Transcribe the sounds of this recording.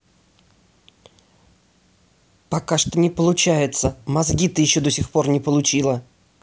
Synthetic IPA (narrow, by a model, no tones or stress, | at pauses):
pɐkaʂt̪onʲɪpəlˠʊt͡ɕæjɪt̪səmɐzɡʲit̪ɨjɪɕːod̪osʲɪxpo̞rnʲɪpəlˠʊt͡ɕilˠə